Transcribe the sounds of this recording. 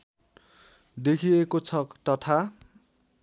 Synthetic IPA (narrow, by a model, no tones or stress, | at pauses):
d̪ekʰiekot͡sʰʌkt̪ʌt̪ʰa